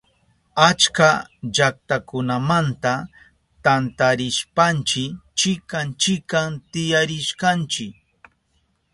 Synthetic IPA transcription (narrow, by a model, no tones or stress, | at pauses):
at͡ʃkaʎak̚t̪akʊnamant̪a | t̪ant̪aɾɪʃpant͡ʃɪt͡ʃɪkant͡ʃɪkamt̪ɪjaɾɪʃkant͡ʃɪk̚